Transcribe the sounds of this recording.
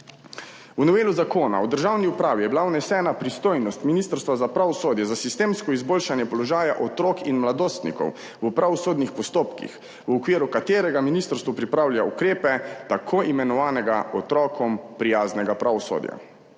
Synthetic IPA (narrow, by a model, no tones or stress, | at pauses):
wnɔʋeːluzakoːna̰wd̪əɾʒawniupɾaːʋijɛbilawnɛsɛːnapɾist̪oːjnɔst̪minist̪əɾst̪ʋazapɾaʋɔsoːd̪jɛzasist̪eːmskɔizboːlʃanjɛpɔlɔʒaːjaʔɔt̪ɾokinmlad̪oːst̪nḭkɔ̰w | wəpɾaʋɔsoːd̪nixpɔst̪oːpkḭx | wɔkʋiːɾukat̪eːɾɛɡaminist̪əɾst̪ʋɔpɾipɾaːwlʲjaṵkɾeːpɛt̪akʰoʔimɛnɔʋaːnɛɡaɔt̪ɾɔːkʰɔmpɾijaːznɛɡapɾʔaʋɔso̰ːd̪ja̰